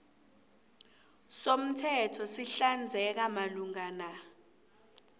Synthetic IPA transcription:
som̩tʰɛtʰɔsiɬand͡zʱɛk̬amaluŋana

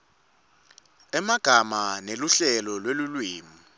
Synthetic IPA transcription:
ɛmaɡ̥ʱamaneluɬɛlɔlwelulwiːmu

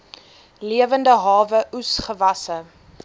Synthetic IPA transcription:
liəvəndəɦɑːvəʔusχəvɐsə

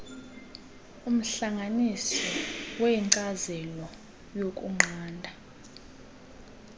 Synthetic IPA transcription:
um̩ɬaŋʱanisɔweiǀazɛlɔ | jokʼṵŋ͡ǃʱaːndʱa

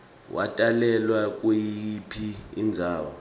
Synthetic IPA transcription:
wʔa̰tʼalɛlwak̬ʼwejipʰiind͡zʱaːwɔ̰

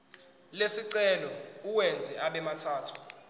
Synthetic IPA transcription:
lesiǀɛlɔuwɛnd͡zʱɛaɓɛmatʰaːtʰu̥

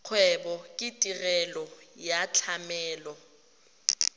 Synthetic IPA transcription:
q͡χʰwɛbɔkʼɪtʼirɛlɔjat͡ɬʰamɛːlɔ

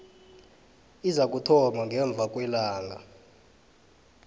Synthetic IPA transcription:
izak̬ʼutʰɔmaŋɡʱɛɱb̪vʱakʼwɛlaːŋa

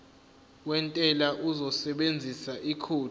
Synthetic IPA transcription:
wɛntʼɛlaʔuzɔsɛɓend͡zʱisaʔikʰuː

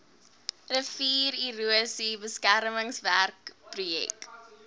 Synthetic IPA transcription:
ɾəfiːɾiruəsibəskæɾməŋsværkprujɛ̰k

